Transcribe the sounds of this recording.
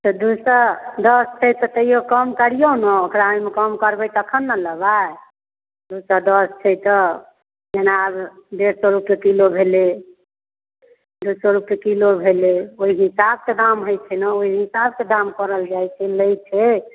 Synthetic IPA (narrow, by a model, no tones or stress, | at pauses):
t̪ɔd̪usəɾd̪əst͡ʃʰɛjt̪ɔt̪əjokəmkəɾijonɔokɾaimekəmkəɾbəjt̪əkʰənːaləbae | d̪usəɾd̪əst͡ʃʰɛjt̪ɔ | d͡ʒenabd̪eɾsɔɾupekilobʱele | d̪usɔɾupekilobʱeleoɦiɦisab̚ked̪amɦojt͡ʃʰɛnɔoiɦisabked̪amkəɾəld͡ʒajt͡ʃʰɛləjt͡ʃʰɛ